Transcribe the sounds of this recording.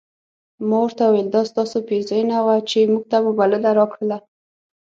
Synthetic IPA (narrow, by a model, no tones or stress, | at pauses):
mɑwəɾt̪awweld̪ɑst̪ɑsopezɑjnawat͡ʃemuɡ̚t̪amubalɪlaɾɑkɽəla